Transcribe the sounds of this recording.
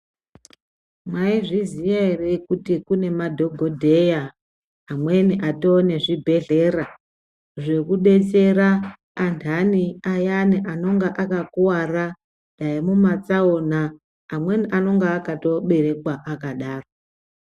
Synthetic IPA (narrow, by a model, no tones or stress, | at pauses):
mwaiʐizijairekutikune̞madʱo̞ɡʱo̞dʱe̞jaː | mwe̞niʔato̞ne̞ʐibʱe̞ɮe̞ra | ʐe̞kuɗe̞t͡ʃe̞ɾaː | ntʰaniajaniʔano̞ŋɡaʔakakuwara | ɗaimumat͡saonaː | mwe̞niʔano̞ŋɡaːkato̞ɓe̞ɾe̞kwaʔakaɗaːro